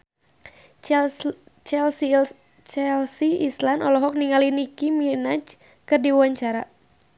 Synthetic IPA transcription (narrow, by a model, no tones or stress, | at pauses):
t͡ʃɛls | t͡ʃɛlsiislanɔlɔɦɔk̚niŋalinikiminat͡ʃ | kɨrdiwaɲt͡ʃaɾa